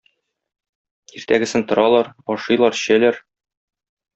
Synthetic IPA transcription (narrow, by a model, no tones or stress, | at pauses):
iɾt̪æɡɘ̆sɘnt̪ŏɾɑlˠɑɾɒʃɤ̆jlˠɑɾɕælæɾ